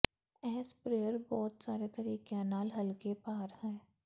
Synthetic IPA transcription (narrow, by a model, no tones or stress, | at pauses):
ɛːspɾeːjəɾbɔːt̪saːɾekəɾiːkaːnaːlɦɐlkepaːɾhɛ̃ː